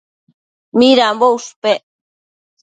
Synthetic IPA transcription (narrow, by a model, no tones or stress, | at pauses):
miɾambowspe